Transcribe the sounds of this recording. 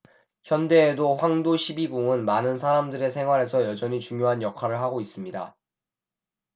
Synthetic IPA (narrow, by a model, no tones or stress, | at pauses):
çjʌnde̞ːdoɸwaŋdoɕʰibiɡuŋɯnmanɯns̬ʰaɾamdɯɾe̞sʰe̞ŋɦwaɾɦe̞sʰʌjʌd͡ʑʌɲit͡ɕuŋjoɦanjʌkʰwaɾɯɭɦaɡois͈ɯmɲida̰